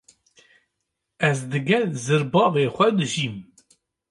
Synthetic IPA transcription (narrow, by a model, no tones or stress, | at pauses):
ɛzd̪ɨɡɛlzɨɾbɑːveːxʷɛd̪ɨʒiːm